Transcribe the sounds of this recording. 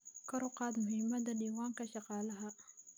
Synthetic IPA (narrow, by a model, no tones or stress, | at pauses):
kɐɾʊqɑːt̪mʊɦɪmːɐd̪ɐɗiːwaːŋkʰɐʃɑqɑːlɐɦɐ